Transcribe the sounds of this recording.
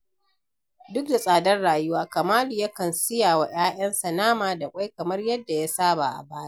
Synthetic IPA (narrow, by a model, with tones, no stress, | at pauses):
dʊ˦k̚da˨sʼaː˨dɐ˦rɽaː˨jʊ˦waː˦kɐ˨maː˦li˨ja˦kɐ˨nsɪ˦jaː˨wa˨j̰aː˦j̰ɐ˦nsɐ˨naː˦maː˨da˨kʷʼa˦jkɐ˨mɐ˦rjɐ˦dːa˨ja˦saː˦ba̰˨ʔa̰˨baː˦ja˦ʔ